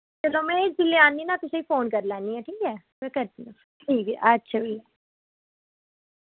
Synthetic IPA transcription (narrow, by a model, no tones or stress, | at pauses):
t͡ʃəloːmɛ̃d͡ʒɪlːeãːniːnãːt̪ʊsẽiːfoːnkəɾlaːniːɦɛ̃ːʈʰiːkɛː | mɛ̃ːkəɾd̪ĩa | ʈʰiːkətːʃʰaːbɪla